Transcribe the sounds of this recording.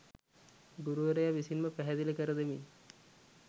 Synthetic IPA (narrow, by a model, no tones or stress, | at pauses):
ɡuɾuʋəɾejaʋisinməpæɦɛd̪iləkəɾəd̪emi